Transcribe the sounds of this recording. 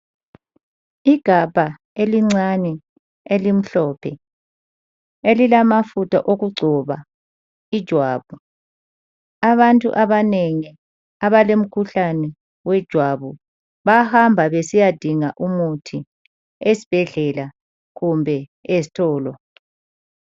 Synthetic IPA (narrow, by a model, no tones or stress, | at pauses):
iɡ̥ʱab̥ʱa | eliŋ͡ǀanɛ | elim̩ɬɔːpʰɛ | elilamafutʰa̰ʔoɣuɡ͡ǀʱɔβa | id̥ʒ̥ʱwaːβu | aβantʼṵʔaβaneŋi | aβalem̩kʰuɬanɛ | wɛd̥ʒ̥ʱwaβu | βahambʱaβesijad̥ʱiŋaʔumutʰi | esi̥b̥ʱɛɮɛla | ɣumbʱɛesi̥tʰɔːlɔ